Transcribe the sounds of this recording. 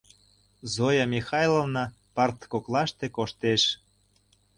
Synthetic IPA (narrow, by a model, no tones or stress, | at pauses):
zojɑmʲixɑjlovnɑ | pɑrt̪koklɑʃt̪ekoʃt̪eʃ